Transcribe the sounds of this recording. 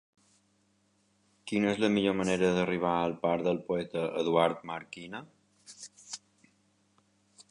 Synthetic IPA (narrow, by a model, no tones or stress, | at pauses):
kinəezləmiʎoməneɾəðəriβ̞aəlˠpaɾðəlˠpoɛt̪əʔəðuaɾt̪məɾkinə